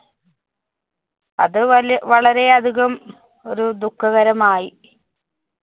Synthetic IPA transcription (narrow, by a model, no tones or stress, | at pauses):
ɐ̰ðɨʋɐɭɐɾe̞ɐd̪ʱiɣɐm | o̞ɾud̪ukʰːɐɣɐɾɐmaːji